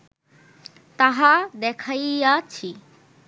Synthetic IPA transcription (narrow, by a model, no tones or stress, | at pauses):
t̪aɦad̪ekʰajjat͡ɕʰi